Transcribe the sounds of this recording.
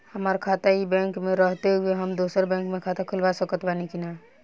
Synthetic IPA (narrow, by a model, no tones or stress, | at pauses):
həmaːɾkʰaːt̪aɦibɛ̃ːŋkmẽɾəɦt̪eɦbʱiɦəmd̪oːsəɾbɛ̃ːŋkmẽkʰaːt̪akʰʊlʋasəkət̪baːnikinaː